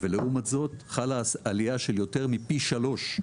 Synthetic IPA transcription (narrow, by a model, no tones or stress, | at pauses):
veleʔumatzo̞t̪χalasaliaʃeljo̞te̞ʁmipiʃalo̞ʃ